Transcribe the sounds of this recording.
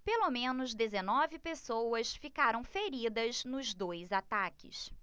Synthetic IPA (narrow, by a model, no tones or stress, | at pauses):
pelomẽnʊzd̪ezenɔvɪpesowɐsfikaɾɐ̃w̃feɾid̪ɐznʊzd̪ojzat̪akɪ̰s